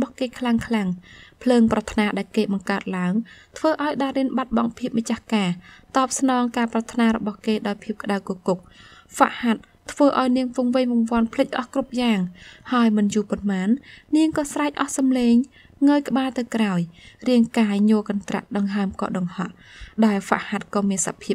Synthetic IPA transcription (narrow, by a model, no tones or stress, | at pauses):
ɓɑhkeːkʰlaŋkʰlaŋpʰləːŋprɑt̪ʰnaːɗaɛlkeːɓɑŋkaət̪̚laəŋt̪ʰʋəːʔaɔjɗaːɾiənɓat̪̚ɓɑŋpʰiəp̚mat͡ɕahkaːt̪ɑːp̚snɑːŋkaːprɑt̪ʰnaːɾɔɓɑhkeːɗaɔjpʰiəp̚kə̆ɗawkuəkuk̚fa̰ʔhat̪̚ʰːʋəːʔaɔjniəŋfuŋʋɨɲʋɑŋʋŏənpʰlɨc̚ʔɑhkrup̚jaːŋhaəjmɨnjuːpʊnmaːnːiəŋkɑːsraɛc̚ʔɑhsɑmleːŋ | ŋəːjkə̆ɓaːlt̪ɨwkraɔjriəŋkaːɲoəkɑnt̪ra̰ʔɗɑŋɦaəmkɑ̰ːɗɑŋhɑʔ | ɗaɛlfa̰ʔhat̪̚kɑːmiənsa̰ʔpʰiəp̚